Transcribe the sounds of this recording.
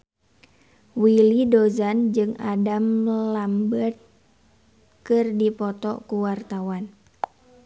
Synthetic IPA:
wilidozand͡ʒɨŋadamlambət̪̚ | kɨrdipɔt̪ɔ̰kuwart̪awan

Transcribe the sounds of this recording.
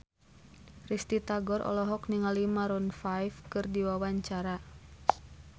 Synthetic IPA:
rist̪it̪aɡɔɾʔɔ̰lɔɦɔkniŋalimaɾɔnfajfkɨrdiwawaɲt͡ʃaɾa

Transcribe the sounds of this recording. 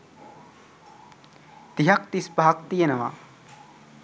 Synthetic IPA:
t̪iɦɐkt̪ispaːk̚t̪ijenɐʋa̰ː

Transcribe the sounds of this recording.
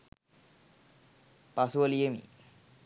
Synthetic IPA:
pasuʋəlijemḭ

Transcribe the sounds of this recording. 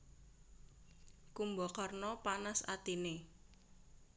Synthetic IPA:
kumbɔkarnɔpanasa̰t̪ine

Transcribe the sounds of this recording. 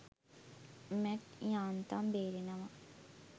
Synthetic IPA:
mɛʈjaːnt̪ambeːɾinɐʋɐ

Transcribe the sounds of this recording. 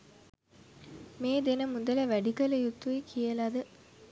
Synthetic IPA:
meːd̪enəmud̪ələʋæɖikələjut̪ːuikʰijəlad̪ə

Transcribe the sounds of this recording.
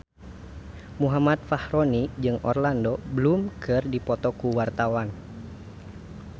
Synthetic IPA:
muɦamat̪̚fahɾɔnid͡ʒɨŋʔɔ̰rlandɔbəlumkʰɨrdipɔt̪ɔkuwart̪awan

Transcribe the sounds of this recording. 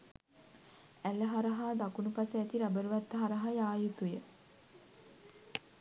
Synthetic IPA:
ælːəɦaɾɐɦaːd̪akunupaseæt̪iɾabəɾuʋat̪ːəɦaɾɐɦajaːjit̪ujə

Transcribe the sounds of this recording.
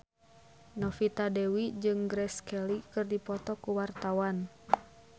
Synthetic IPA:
nɔfit̪adɛwid͡ʒɨŋɡɾɛskɛlikɨrdipɔt̪ɔkuwart̪awan

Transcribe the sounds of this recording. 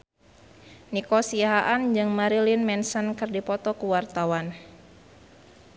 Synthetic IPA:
nikɔsiaɦaʔand͡ʒɨŋmaɾilinmɛnsənkɨrdipɔt̪ɔkuwart̪awan

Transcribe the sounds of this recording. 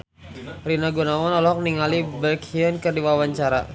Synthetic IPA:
rinaɡunawɔnɔlɔɦɔk̚niŋalibɛkiənkɨrdiwawaɲt͡ʃaɾa̰

